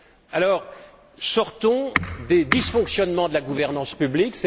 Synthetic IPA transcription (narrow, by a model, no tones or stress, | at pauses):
alɔːʁ | sɔʁt̪ɔ̃d̪ed̪isfɔ̃ksjɔnmɑ̃d̪əlaɡuvɛʁnɑ̃spybliksɛ